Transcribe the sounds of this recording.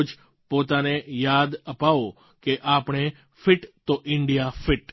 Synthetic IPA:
d͡ʒ | pot̪anejad̪əpaʋo | keʔapɽ̃e | fɪʈt̪oʔɪɳɖijafɪʈ

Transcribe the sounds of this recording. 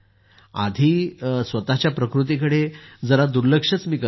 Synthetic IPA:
a̰d̪ʱiːsʋət̪at͡ɕjapɾəkɾut̪̬ikəɽed͡zəɾad̪uɾləkʂət͡smiːkə

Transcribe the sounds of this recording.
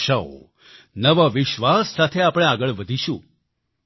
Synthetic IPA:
ʃao̰ | nəʋaʋɪʃʋasːat̪ʰeapɽ̃ẽaɡəɭʋəd̪ʱiʃũ

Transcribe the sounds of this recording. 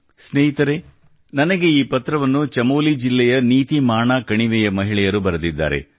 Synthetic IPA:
sneːɦit̪ɐɾe | nɐnɐɡe̞iːpɐt̪ɾɐʋɐnːut͡ʃɐmoːlid͡ʒilːɛjɐniːt̪imaːɳaːkɐɳiʋɛjɐmɐɦiɭɛjɐɾubɐɾɐd̪id̪ːa̰ːɾe̞̰

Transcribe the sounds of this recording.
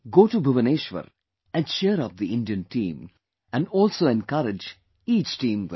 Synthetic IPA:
ɡoːʈubʊʋəneːʃʋə̰ɾ | æ̃nʃeːɾɔp̚d̪iɪ̃nɖiə̃nʈḭ̃ːm | æ̃nɖɔːlsoːɛ̃nkʌɾɪd͡ʒ | iːt͡ʃʈĩːmʋ

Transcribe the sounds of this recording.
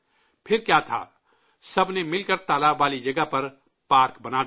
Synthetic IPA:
pʰɪɾkjaːt̪ʰa̰ː | sɐbnemɪlkəɾt̪aːlaːbːaːlid͡ʒɐɡəpɐɾ | paːɾkbɐnaː

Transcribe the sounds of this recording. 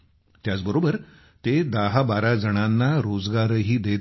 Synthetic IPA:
t̪jat͡sbəɾobəɾ | t̪ed̪aɦabaɾad͡zəɽ̃anːaɾod͡zɡaɾəɦiːd̪e

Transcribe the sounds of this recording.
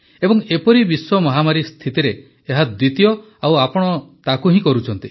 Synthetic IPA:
ebɔŋepɔɾibiswɔmɔɦamaɾist̪ʰit̪iɾeː | ɦad̪wit̪ijɔ | awapɔɽ̃ɔt̪akuɦĩkɔɾut͡ʃʰɔnt̪i

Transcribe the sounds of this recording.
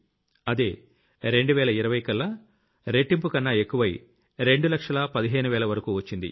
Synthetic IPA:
ɐd̪eː | ɾe̞ɳɖuʋɛːɭɐiɾɐʋɐjkɐlːɐ | ɾeʈːimpukɐnːɐekːuʋɐj | ɾe̞ɳɖulɐkʂɐlɐpɐd̪iɦeːnuʋɛːɭɐʋɐɾɐkuːʋɐt͡ʃːind̪ḭ

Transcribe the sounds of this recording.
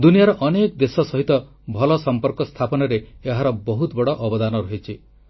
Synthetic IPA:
d̪unijaɾɔʔɔnekɔd̪esɔsɔɦit̪ɔ | bʱɔlɔsɔmpɔɾkɔst̪ʰapɔnɔɾeːɦaɾɔbɔɦut̪ɔbɔɽɔʔɔbɔd̪anɔɾɔɦit͡ʃʰi

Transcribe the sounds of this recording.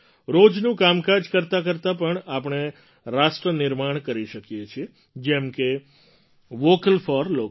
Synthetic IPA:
ɾod͡ʒnũkamkad͡ʒkəɾt̪ak̬əɾt̪apəɳapəɳ̃e | ɾasʈɾənɪɾmaɳ̃kəɾiʃəkjet͡ʃʰie | d͡ʒɛmke | ʋokəlfɔɾlok

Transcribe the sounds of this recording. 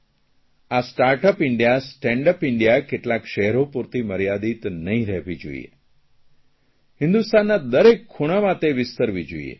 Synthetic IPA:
asʈaɾʈəpɪɳɖijasʈɛ̃ɳɖəpɪɳɖijakeʈlakʃɛɦɾopuɾt̪iməɾjad̪it̪nəɦĩɾɛɦʋid͡ʒo̰ḭjḛ | hɪ̃nd̪ust̪anːad̪əɾekʰːuɽ̃amãt̪eʋɪst̪əɾʋid͡ʒoḭjḛ

